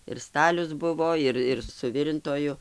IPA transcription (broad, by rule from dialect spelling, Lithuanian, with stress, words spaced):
ɪr ˈstɑːlʲʊs ˈbʊʋoː ˈɪr ɪr sʊˈʋʲɪrʲɪntoːjʊ